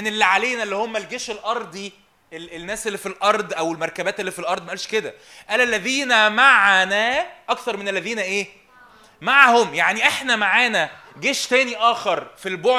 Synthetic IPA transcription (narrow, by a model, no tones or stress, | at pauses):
mnelːiʕaleːnælːihomːælɡeːʃelʔɑɾˤd̪ˤi | elenːæːselːifilʔɑɾˤd̪ʔæwelmæɾˤkæbæːt̪elːifilʔɑɾˤd̪ˤmæʔælʃked̪æ | ʔæːlælːæðiːnæmaʕnæʔɑkθɑɾˤmenelːæðiːnæʔeː | maʕhomjaʕniʔeħnæmaʕaːnæ | ɡeːʃt̪æːniʔæːxeɾˤfilboʕ